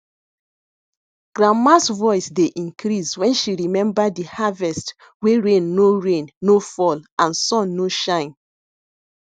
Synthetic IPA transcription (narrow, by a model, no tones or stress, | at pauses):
ɡ̥ɹamasvɔɪsdeʔĩŋkʰɾiswɛ̃nʃiɹimɛ̃mbadihavɛst | weɹẽnːoɹẽnːofɔlãnsɔ̃nːoʃãɪ̃n